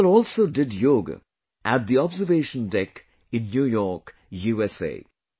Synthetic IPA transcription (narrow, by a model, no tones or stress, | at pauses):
lɔːlsoːɖɪɖjoːɡə̰ | ʔæʈ̚d̪iɔbzəɾʋeːʃə̃nɖɛk | ɪ̃nːjuːjɔːɾk | juːɛsḛː